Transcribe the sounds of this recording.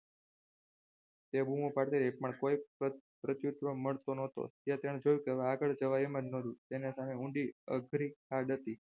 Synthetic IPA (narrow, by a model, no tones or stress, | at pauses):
t̪ebumõpaɽt̪eɾepəɳkoipɾət͡ʃ̪jut̪ʋəməɭt̪onot̪o̰t̪jãt̪eɽ̃ed͡ʒojũkəʋaɡəɭd͡ʒəʋaemənnːoɾũt̪enesameũɳɖiə̰ɡʱɾiaɖət̪i